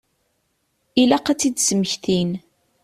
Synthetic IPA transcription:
ilæqæt͡sːid̪səməçθin

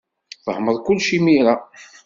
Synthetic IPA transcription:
θəhməðˤkʊlːʃimiɾa

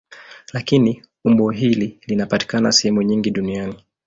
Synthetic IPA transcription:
lakini | umbɔɦililinapati̥kana̰sɛhɛmuɲiŋɡiɗuniani

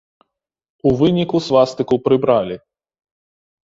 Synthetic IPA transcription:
uvɨnʲikusvast̪ɨkupɾɨbɾalʲi

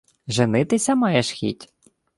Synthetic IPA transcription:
ʒenɪt̪ɪsʲɐmɑjɛʃxʲḭtʲ

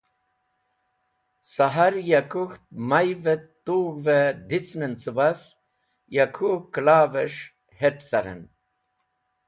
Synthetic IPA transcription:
saɦaɾjakuxt̪̚majvet̪ːuːɣved̪it͡sʰnənt͡sɨbas | jakʰuklaːveʂ | heʈsaɾḛn

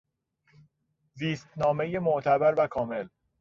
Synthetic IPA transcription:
ziːst̪nɒːme̞je̞moʔt̪ʰæbæɾvækʰɒːme̞l

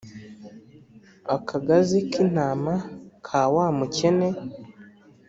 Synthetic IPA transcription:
akʰaɡazikin̥aːmakʰaːwaːmuce̞ne

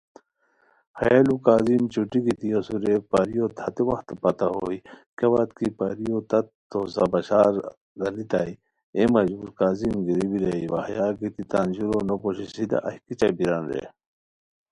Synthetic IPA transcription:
hɐjaːlukaːzimt͡ɕuʈiɡit̪iɐsuɾepaɾijoːt̪ʰɐt̪ewɐxt̪pɐt̪ɐɦoːikeʋat̪kipaɾijot̪ɐt̪t̪ːosɐbɐɕaːɾ | ɡɐlit̪aːi | emɐd͡ʑuːɾkaːzimɡiɾibiɾɐiwɐ̰hjaːɡit̪it̪and͡ʑuɾonopoɕisid̪ɐ̰ʔɐhkit͡ɕɐbiɾanɾḛ

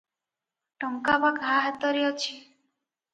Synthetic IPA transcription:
ʈɔŋkabaɡʱaɦat̪ɔɾjɔt͡ʃʰi

